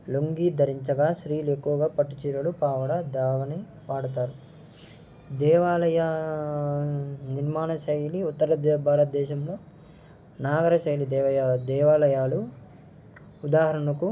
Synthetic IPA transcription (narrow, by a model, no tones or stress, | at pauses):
loŋɡiːd̪ʱɐɾiɲt͡ʃɐɡaːʃɾiːlue̞kːuʋɐɡaːpɐʈːut͡ʃiːɾɐlupaːʋɐɽɐd̪aːʋɐni | paːɽut̪aːɾu | d̪ɛːʋaːlɐjɐ | niɾmaːɳɐʃɐjliut̪ːɐɾɐd̪ɛbʱaːɾɐt̪̚d̪ɛːʃɐmloː | naːɡɐɾɐʃɐjlid̪ɛɐad̪ɛːʋaːlɐjaːlu | ud̪aːɦɐɾɐɳɐku